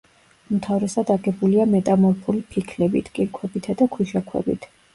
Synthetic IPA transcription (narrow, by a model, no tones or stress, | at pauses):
umt̪ʰavɾɛsad̪aɡɛbuliamɛt̪ʼamɔɾpʰulipʰikʰlɛbḭt̪ʰkʼiɾkʰwɛbit̪ʰad̪akʰwiʃakʰwɛ̰bḭt̪ʰ